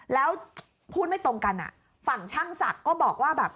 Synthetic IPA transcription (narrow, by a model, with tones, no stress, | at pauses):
lɛː˦˥w | pʰuː˥˩t̪̚ma˥˩jt̪o˧ŋka˧nʔa̰˨˩ | fa˨˩ŋt͡ɕʰa˥˩ŋsa̰˨˩kːɔː˥˩bɔː˨˩k̚waː˥˩bɛː˨˩p̚